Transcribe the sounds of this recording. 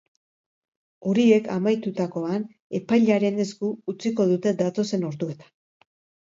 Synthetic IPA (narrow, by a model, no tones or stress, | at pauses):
o̞ɾie̞kamajt̪ut̪ako̞an | e̞pajʎaɾe̞ne̞skuːt͡siko̞ðut̪e̞d̪at̪o̞se̞no̞ɾd̪ue̞t̪ḁ